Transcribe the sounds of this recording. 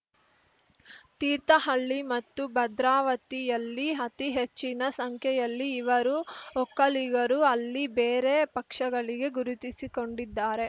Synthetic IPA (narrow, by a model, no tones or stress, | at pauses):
t̪iːɾt̪ɐɦɐɭːimɐt̪ːubɐd̪ɾaːʋɐt̪ijɐlːiɐt̪iɦet͡ʃːinɐsɐŋkʰjɛjɐlːiːʋɐɾuɔkːɐliɡɐɾuɐlːibeːɾe̞pɐkʂɐɡɐɭiɡe̞ɡuɾut̪isiko̞ɳɖid̪ːaːɾe̞